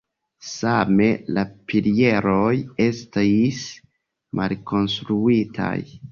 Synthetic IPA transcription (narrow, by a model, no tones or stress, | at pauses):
same̞lapilie̞ɾo̞je̞stis | mʔa̰lkʰo̞nstɾuitʰa̰j